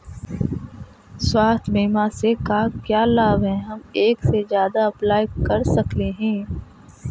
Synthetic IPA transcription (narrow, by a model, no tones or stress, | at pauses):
swaːst̪ʰbeːmasekakjaːlaːbɦɛ̃ɦɐmeːksezjaːd̪aɐplaːjkɐɾsɐkleɦɛ̃ː